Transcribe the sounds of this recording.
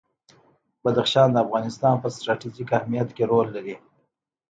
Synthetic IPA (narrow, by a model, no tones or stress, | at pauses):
b̥ad̪axʃɑnd̪əafɣɑnɪst̪ɑnpəsʈɾɑʈid͡ʒikahmijat̪keɾolːaɾi